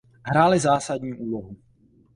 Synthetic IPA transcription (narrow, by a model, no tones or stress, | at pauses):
ɦɾaːlɪzaːsadɲiːʔuːloɦu